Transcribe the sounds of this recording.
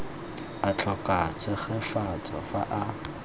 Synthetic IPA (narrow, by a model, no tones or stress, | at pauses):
at͡ɬʰɔkʼat͡sʰɪχɛfat͡sʼɔfaʔa